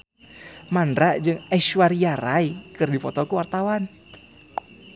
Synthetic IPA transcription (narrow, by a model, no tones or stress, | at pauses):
manɾaʔd͡ʒɨŋɛʃuwaɾijaɾaikɨrdifɔt̪ɔkuwart̪awan